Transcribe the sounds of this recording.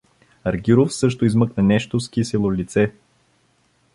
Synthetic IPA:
ɐɾɡʲiɾofsɤʃt̪oizmɤknɐnɛʃt̪osk̟isilˠolit̪sɛ

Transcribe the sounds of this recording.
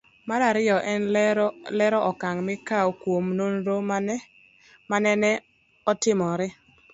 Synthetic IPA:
maɾaɾɪɔʔɛnlɛɾɔʔɔkaŋmɪkawokwomnonɾom | manɛnɛ | ɔtɪmɔɾɪ

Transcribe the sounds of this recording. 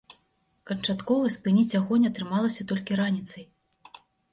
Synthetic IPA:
kɐnt͡ʂat̪kɔvɐspɨnʲit͡sʲjaɣɔnʲɐt̪ɾɨmalˠɐsʲɐt̪ɔlʲkʲiɾanʲit̪sɐj

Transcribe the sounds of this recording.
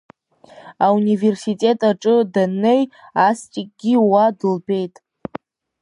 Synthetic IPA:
aunive̞rsitʼe̞tʼaʈ͡ʂʼɨdanejastʼikʼɡʲiwadɨlbe̞jtʼ

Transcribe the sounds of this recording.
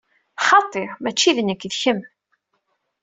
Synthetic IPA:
χɑt̪ˤːeɾmæt͡ʃːiðnəkːðçəm

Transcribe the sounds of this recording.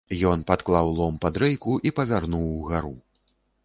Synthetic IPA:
jɔn̪pat̪klˠawlˠɔmpad̪ɾɛjkuʔipɐvʲarnuwɣaɾu

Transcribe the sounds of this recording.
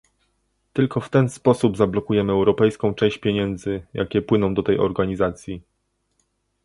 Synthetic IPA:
t̪ɘlkʰɔft̪ɛnspɔsubzablɔkujɛmɘɛwɾɔpɛjskɔ̃w̃t͡ʂɛ̃ɕt͡ɕpʲjeɲɛnd̪zɘjʔa̰kʲɛpwɘnɔ̃w̃d̪ɔt̪ɛjɔɾɡaɲizat̪sʲji

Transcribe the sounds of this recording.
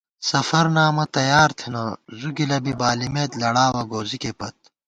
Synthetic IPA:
sɐfɐɾnaːmɐt̪ɐjaːɾt̪ʰenɐzuɡilɐbibaːlimet̪lɐɽaːwɐɡoːzikepɐt̪̚

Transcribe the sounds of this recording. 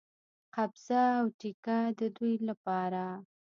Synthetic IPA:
qabz̥aːwʈikad̪əd̪ujlapɑɾa

